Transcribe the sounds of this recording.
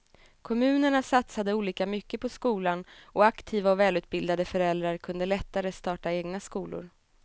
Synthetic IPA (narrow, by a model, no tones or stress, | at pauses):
kʰɔmʉ̟ːnəɳasat̪sad̪əuːliːkamʏkːəpʰɔskuːlanɔakt̪ʰiːvaɔvɛːlʉ̟ːt̪̚bɪld̪ad̪əfœɾɛld̪ɾaɾkʰɵnd̪əlɛt̪ːaɾəst̪ɑːʈaeːɡnaskuːlʊ̰ɾ